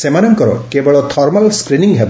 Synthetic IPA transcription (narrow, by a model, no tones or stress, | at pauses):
semanɔŋkɔɾɔ̰kebɔɭɔt̪ʰɔɾmalskɾiniŋɦeb